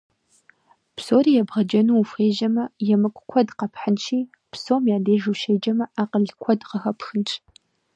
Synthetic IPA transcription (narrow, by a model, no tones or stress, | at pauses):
pʰsoːriːjɛbʁɐd͡ʒɐnuːfχeːʒɐmɐjɛmɨkʷʼkʷʰɔdqɐpʰħənʃʰiː | pʰsomjaːdeːʒuːʃejd͡ʒɐmɐʔaːqəɮkʷʰɔdqɐxɐpʰxɨnt͡ʃʰʼ